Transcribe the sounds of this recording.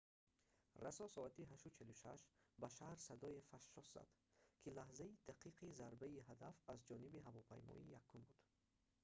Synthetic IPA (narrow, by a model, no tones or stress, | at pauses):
rasɔsɔat̪iɦaʃut͡ʃʰɛluʃa̰ʃbaʃahɾsad̪ɔefaʃːɔsz̥a̰d̪̥kʰilahzaid̪aqʰiqʰizaɾbaiɦad̪afazd͡ʒɔnibiɦavɔpʰa̰jmɔ̰ijakʰːumbud̪̥